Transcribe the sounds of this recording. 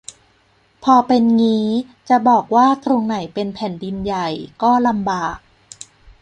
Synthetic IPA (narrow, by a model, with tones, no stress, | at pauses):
pʰɔː˧pe˧nŋiː˦˥ | t͡ɕa˨˩bɔː˨˩k̚waː˥˩t̪ʰɾo˧ŋna˨˩˦jpe˧npʰɛ˨˩ndi˧nja˨˩jkɔː˥˩la˧mbaː˨˩k̚